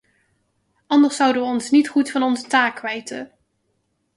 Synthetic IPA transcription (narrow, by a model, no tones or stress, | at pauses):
ʔɑndəɹsʌwdəʋəɔnsnitχutfɑnɔnzətaːkːʋɛjtə̰